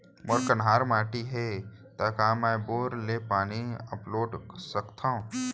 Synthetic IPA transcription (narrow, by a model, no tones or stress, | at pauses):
mɔɾkənɦaːɾmaːʈiɦet̪aːkaːmɛboːɾleːpaːniəploːɖsəkt̪ʰãũ